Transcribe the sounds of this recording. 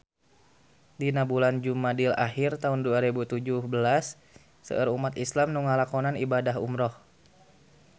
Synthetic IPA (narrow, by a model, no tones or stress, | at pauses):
dinabuland͡ʒumadila̰hirt̪aunduaɾibut̪ud͡ʒuhbəlasː | ə̰ʔəɾumat̪islamnuŋalakɔnanibadaɦṵmɾɔh